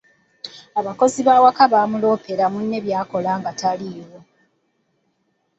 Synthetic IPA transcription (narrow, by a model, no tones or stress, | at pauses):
aβako̞ziβawakaβaːmulo̞ːpe̞ɾamunːe̞βjaːko̞laːŋɡataliːwo